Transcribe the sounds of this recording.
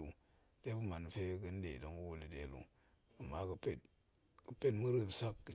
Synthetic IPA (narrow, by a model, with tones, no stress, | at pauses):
u˨ | d̥e˦bu˦ma˨n˨fe˦kɨ˦n˦dḛ˨do˦ŋu˦wo˦li˨de˨lṵ˨ | a˨mːa˨˦kɨ˦pe˦˨t̚ | kə˦pe˦tmu˦ɾɨ˦˨bsa˦kːi˨